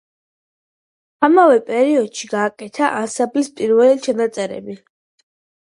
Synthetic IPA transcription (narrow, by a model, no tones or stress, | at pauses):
amavɛpʼɛɾiɔd̪̥ʃiɡaːkʼɛt̪ʰaʔasabispʼiɾvɛlt͡ʃʰanat̪sʼɛɾɛ̰bi